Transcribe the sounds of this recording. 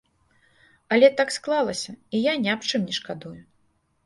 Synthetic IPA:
ɐlʲɛt̪aksklˠalˠɐsʲɐijanʲapt͡ʂɨmnʲɛʂkad̪uju

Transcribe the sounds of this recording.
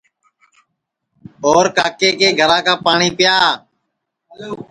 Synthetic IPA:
oːɾkaːkeːkeːɡʱəɾãːkaːpaːɳiːpjaː

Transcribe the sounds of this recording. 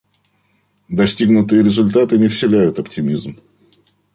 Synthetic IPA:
d̪ɐsʲtʲiɡnʊt̪ɨjəɾʲɪzʊlʲt̪at̪ɨnʲɪfsʲɪlʲæjʊt̪ɐptʲɪmʲizm

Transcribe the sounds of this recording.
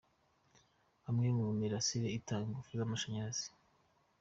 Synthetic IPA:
hamŋemuumiɾasiɾeitaŋɡufuɾiβamaʃaɲaɾaz̥i̥

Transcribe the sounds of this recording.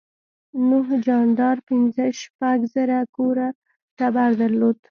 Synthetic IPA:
nuɦd͡ʒɑnd̪ɑɾpɪnzəʃpaɡzaɾakoɾa | t̪abaɾd̪əɾlod̪̥

